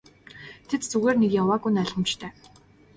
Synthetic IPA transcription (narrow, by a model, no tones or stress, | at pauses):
t̪ʰet̪t͡suɣeːrnekjawaːɣujnæɮʁə̆mt͡ɕt̪ʰœː